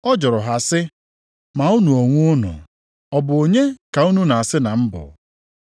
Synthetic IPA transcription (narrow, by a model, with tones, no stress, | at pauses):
ɔ˦d͡ʒɔ˨ɾʊ˨ɦa˨sɪ˦ | ma˨u˦nu˨o˨ŋʷu˦ʊ˦nʊ̰˨ | ɔ˨bʊ˨o˨ɲe˦ka˨u˦nu˦na˨a˨sɪ˦na˨m̩˦bʊ̰˨